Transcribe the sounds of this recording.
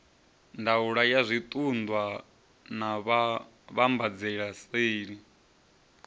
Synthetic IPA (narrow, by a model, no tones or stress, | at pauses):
ndauɺajazʷit̪ʼund̪wa | naβ | βambad͡zɛɺaseːɺi